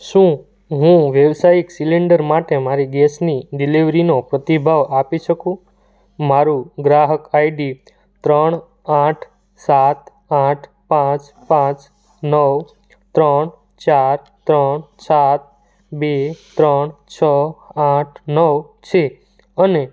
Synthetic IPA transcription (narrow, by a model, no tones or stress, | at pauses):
ʃũ | ɦũʋjəʋsajiksiliɳɖəɾmaʈemaɾiɡɛsniɖiliʋɾinopɾət̪ibʱaʋapiʃəkũ | maɾũɡɾaɦəkaiɖi | t̪ɾəɳ̃ | aʈʰ | sat̪ | ãʈʰ | pãt͡ʃ | pãt͡ʃ | nəʋ | t̪ɾəɳ | t͡ʃaɾ | t̪ɾəɳsat̪̚ | bet̪ɾəɳt͡ʃʰəaʈʰnəʋ | t͡ʃʰe | əne